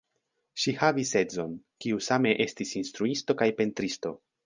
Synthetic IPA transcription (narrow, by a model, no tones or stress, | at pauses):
ʃihavise̞zo̞n | kiusame̞ʔe̞stisinst̪ɾuisto̞kajpe̞ntɾisto̞